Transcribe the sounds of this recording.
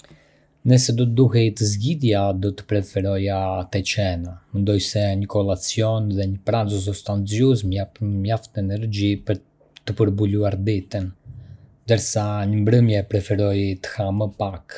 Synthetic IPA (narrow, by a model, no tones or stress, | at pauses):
nəsɛd̪ɔt̪əd̪uɦɛjt̪əzɟiðjad̪ɔt̪ə̥pɾɛfɛɾɔjat̪ɛt͡ʃɛnamɛnd̪ɔjsɛɲəkɔlˠat͡sijɔnðɛɲəpɾanzɔs̬ɔst̪ant͡sjusmmjaft̪ɛnɛɾd͡ʑipəɾ | t̪əpəɾbuluaɾd̪it̪ən | nd̪əɾsaɲəmbɾəmjɛpɾɛfɛɾɔjt̪ə̥haməpak